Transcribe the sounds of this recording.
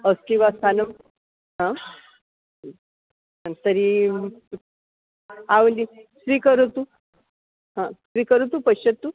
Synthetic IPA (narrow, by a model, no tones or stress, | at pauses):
əskĩʋast̪anəm | ɦã | ət̪əɾi | aʋlisʋiːkəɾət̪u | ɦãsʋiːkəɾut̪upəɕət̪ːu